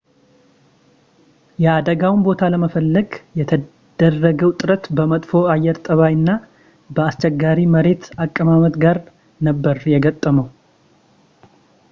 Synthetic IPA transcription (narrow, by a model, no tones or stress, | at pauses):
jɛad̪əɡawnbo̞t̪ʰaləməfəlːəɡjɛt̪ʰə | d̪̥ərːəɡəwt̪ʼɨɾət̪bəmət̪ʼfo̞ajːɛɾt̪ʼəβajɨnːa | bəast͡ʃːɛɡːaɾiməɾe̞t̪akʼːəmamət̪ɡaɾ | nəbːəɾjɛɡət̪ʼːəməw